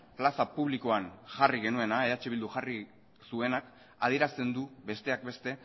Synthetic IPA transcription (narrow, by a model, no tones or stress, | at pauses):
plasapuβ̞liko̞anʝariɣe̞nue̞naeðat͡ʃiild̪uxari | sue̞nak | a̰ðie̞ɾast̪e̞nd̪uβe̞st̪e̞ak̚be̞st̪e̞